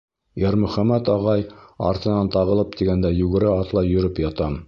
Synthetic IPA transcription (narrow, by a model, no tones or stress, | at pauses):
jæɾmɵ̆χæmæt̪ɑʁɑjɑ̰ɾt̪ɤ̆nɑnt̪ɑʁɤ̆lˠɤp̚t̪iɡænd̪æjʉɡɘ̆ɾɘɑt̪lˠɑjɵ̆ɾɘpjɑt̪ɑm